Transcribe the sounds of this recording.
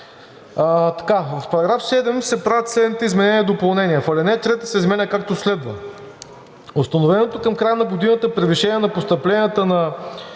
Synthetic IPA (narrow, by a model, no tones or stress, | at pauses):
ət̪ɐ̥kavɐfpɐɾɐɡɾafsɛd̪ɛmsɛpɾavʲət̪slɛd̪nit̪ɛizmɛnɛniəd̪opɐlˠnɛniəfɐlɛnɛt̪ɾɛt̪ə̥sɛizmɛnʲəkakt̪oslɛd̪və̰ | ost̪ɐnovɛnot̪okɐmkɾajənɐɡod̪inət̪əpɾɛviʃɛniɛnɐpost̪əplɛnʲiət̪ənɐ